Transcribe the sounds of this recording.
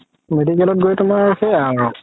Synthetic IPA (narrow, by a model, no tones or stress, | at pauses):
medikɛlɔt̚ɡojtʊmaɹsɛaɹ